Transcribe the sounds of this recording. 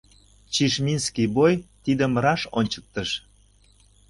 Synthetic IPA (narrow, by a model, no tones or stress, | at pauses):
t͡ɕiʃmʲinskibojt̪id̪əmɾɑʃonʲt͡ɕək̚t̪əʃ